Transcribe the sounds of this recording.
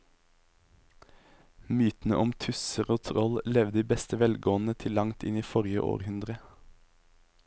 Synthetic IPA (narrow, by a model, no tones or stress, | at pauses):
myːt̪n̩ə̰ʔɔmt̪ʰʉsəʁoːt̪ʰʁɔllɛʋd̪iːbɛst̪əʋɛlɡoːnət̪ʰɪlɑŋt̪ʰɪniːfɔʁjə̰ʔo̰ːʁhʉnd̪ʁə